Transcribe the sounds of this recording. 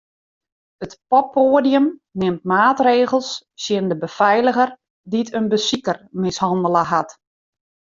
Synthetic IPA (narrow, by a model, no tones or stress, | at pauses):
ətpɔpʰːoːdiəmnɪmtmaːtreːɣəlˠssjɪndəbəfɛjləɣər | ditʰənbəsikərmɪshɑndələɦat